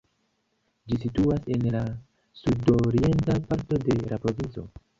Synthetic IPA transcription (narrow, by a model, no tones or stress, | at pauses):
d͡ʒisituase̞nla | sudo̞ɾie̞ntapaɾto̞de̞lapɾo̞vint͡so̞̰